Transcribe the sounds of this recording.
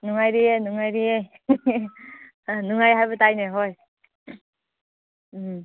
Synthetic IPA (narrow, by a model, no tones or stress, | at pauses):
nuŋajɾienuŋajɾiej | nuŋajɦajbatajneɦoj | m